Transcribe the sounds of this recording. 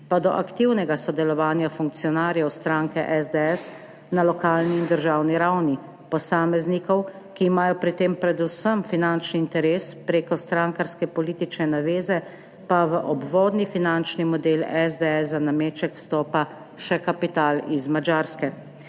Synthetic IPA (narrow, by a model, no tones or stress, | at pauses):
pad̪ɔʔakt̪iwnɛɡasɔd̪ɛlɔʋaːnjafuŋk̚t̪sijɔnaːɾjɛwst̪ɾaŋkɛʔɛzd̪ɛɛs | nalɔkaːlniːnd̪əɾʒawniɾawni | pɔsaːmɛznikɔw | kiːmaːjɔpɾit̪eːmpɾɛd̪usəmfinant͡ʃniːnt̪ɛɾeːspɾeːkɔst̪ɾaːŋkaɾskɛpɔliːt̪it͡ʃnɛnaʋeːzɛ | paʋəʔɔbʋɔːd̪nifinant͡ʃnimɔd̪elɛzd̪ɛɛszanameːt͡ʃɛkwst̪ɔːpa | ʃɛkapit̪aːlizmad͡ʒaːɾskɛ